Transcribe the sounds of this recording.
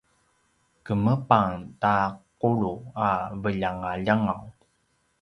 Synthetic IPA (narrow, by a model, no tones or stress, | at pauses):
kəməpaŋtaquɭuavəʎaŋaʎaŋaw